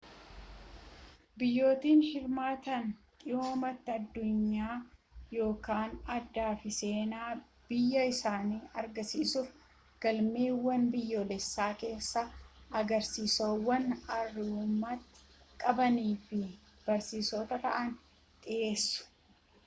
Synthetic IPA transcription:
bɪjːo̞ːt̪iːnhɪɾmaːt̪ɐnt̪ʼɪjo̞ːmɐt̪ːɪɐd̪ːʊɲːaːjo̞ːkaːnɐd̪ːaːfɪse̞ːnaː | b̥ɪjːɐɪsaːniːʔɐɾɡɐsiːsʊf | ɡ̥ɐlme̞ːwːɐnbɪjːoːlɛsːaːke̞ːsːɐʔɐɡɐɾsiːsoːwːɐnɐrːɪuːmːɐt̪ːɪ̥ | kʼɐbɐniːfɪ | b̥ɐɾsiːsot̪ɐt̪ɐ̰ʔɐn | t̪ʼɪʔe̞ːsːʊ̥

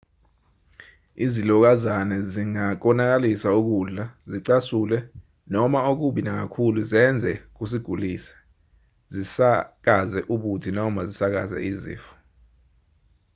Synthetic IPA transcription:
izilɔk̬azanɛziŋak̬ɔnak̬alisauk̬uɮaziǀasulɛ | nɔmaok̬uɓinak̬akʰuluzɛnd͡zʱɛk̬us̬iɡ̥ʱuliːsɛ̥ | zisak̬azɛʔuk̬utʰinɔmazisak̬a̰zɛ̰izḭːfu̥

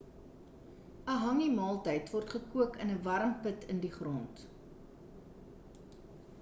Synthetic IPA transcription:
əɦɐŋimɑːlˠtəjtvɔrtχəkuəkənəvɐɾəmpətʰəndiχrɔnt

